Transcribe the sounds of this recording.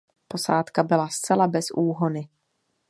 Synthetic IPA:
po̞saːt̪kabɪlast͡sɛlabɛsʔuːɦonɪ

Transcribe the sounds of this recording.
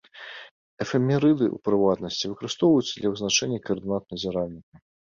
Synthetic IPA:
ɛfɛmʲɛɾɨd̪ɨṵpɾɨvat̪nɐsʲt͡sʲivɨkɐɾɨst̪ɔwvɐjut̪sːd̪lʲɐvɨznat͡ʂɛnʲːɐkɐrd̪ɨnat̪nɐzʲiɾalʲnʲikɐ

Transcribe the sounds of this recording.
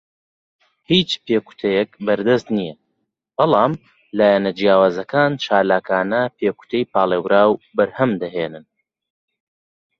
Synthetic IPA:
hiːt͡ʃpʰeːku̥t̪ʰɐjɛk̚bɐɾd̪ɐst̪nijɐ | b̥ɑlˠɑːm | laːjɛnɐd͡ʒijaːwaːzɐkʰaːnt͡ʃʰaːlaːkʰaːnɐpʰeːku̥t̪ʰɛjpaːlˠewɾaːwbɐɾhɐmd̪ɐɦeːnɨn

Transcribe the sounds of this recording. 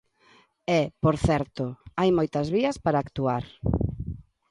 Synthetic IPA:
ɛpoɾθɛɾt̪oajmojt̪ɐzβiɐspaɾaːkt̪uaɾ

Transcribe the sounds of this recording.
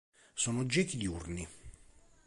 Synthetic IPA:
soːnod͡ʒɛːkid̪iurni

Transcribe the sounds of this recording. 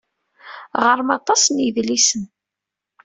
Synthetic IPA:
ʁəɾˤəmɑt̪ˤɑsniðlisən

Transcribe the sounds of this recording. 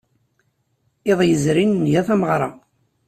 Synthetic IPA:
eðˤjəzɾinːʝæθæməʁɾˤɑ̰

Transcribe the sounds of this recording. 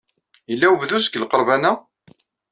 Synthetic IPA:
jəlːæwəvðusə̥kəlqəɾˤvænæ

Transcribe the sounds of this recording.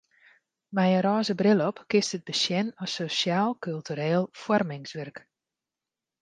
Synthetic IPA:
mɛjəɾɔːzəbrɪlˠɔpkɪstət̚bəsjɛnɔsosjaːlˠkylˠtyɾeːlˠfwɔrmɪŋsʋɛrk

